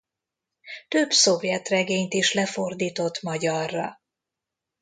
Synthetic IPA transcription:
t̪øbso̞vjɛt̪rɛɡeːɲt̪iʃlɛfo̞rd̪iːt̪o̞t̪mɒɟɒrːɒ

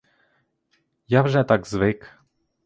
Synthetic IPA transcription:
javʐɛt̪aɡzvɪk

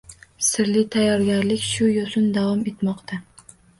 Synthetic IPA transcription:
sɪɾlɪt̪ʰajːɒɾɡʲaɾlɪkʲʃʊjosʊnd̪avɒme̞t̪mɒqt̪ʰa

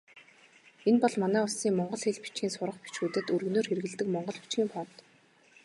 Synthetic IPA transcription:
enpɔɮmanæːʊɮsiːŋmɔɴɢɞ̆ɮxeɮpi̥t͡ɕɡʲiːnsʊɾə̆χpi̥t͡ɕxuːt̪ɘ̆t̪ɵrɣnoːrxerɘ̆ɣɘ̆ɮt̪ɘ̆kmɔɴɢɞ̆ɮpi̥t͡ɕɡiːmpʰɔːt̪

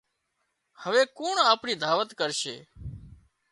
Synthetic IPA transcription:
həʋeːkuːɳaːpɳiːd̪ʱaːʋət̪kəɾʃḛː

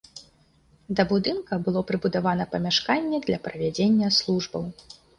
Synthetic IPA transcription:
d̪ɐbud̪ɨnkɐbɨlˠɔpɾɨbud̪avanɐpɐmʲaʂkanʲːɛd̪lʲɐpɾɐvʲad͡zʲenʲːɐslˠuʐbɐw

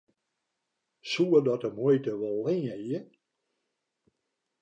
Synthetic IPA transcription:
suədɔtəmujtəʋɔlˠːɪːejə

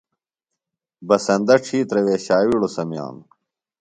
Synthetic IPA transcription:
bɐsɐnd̪ɐʈ͡ʂʰiːt̪ɾɐweːɕaːwiɽosɐmja̰ːn

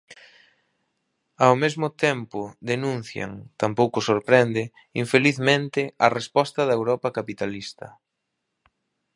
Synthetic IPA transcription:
awmezmʊt̪ɛmpʊd̪enũn̟θja̰ŋt̪ampowkʊsoɾpɾɛnd̪ɪ | iɱfeliθmẽnt̪ɪɐrespɔst̪ɐðɐewɾɔpɐkapit̪alist̪ɐ̰

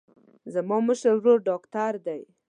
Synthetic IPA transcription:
zamɑməʃəɾwɾoɾɖɑkt̪aɾd̪aj

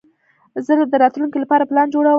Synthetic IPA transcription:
zəld̪əɾɑt̪lunkelapɑɾaplɑnd͡ʒoɽaw

